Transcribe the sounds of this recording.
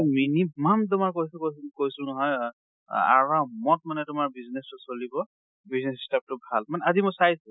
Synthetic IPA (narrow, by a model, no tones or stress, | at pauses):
minimamt̬ʊmaɹkojskoskojsʊnɔɦɔj | a̰ɹamɔt̚manɛtʊmaɹbiznestʊsolibɔ | biznesi̥stap̚tʊbʱalmanɛazimʊjsajsʊ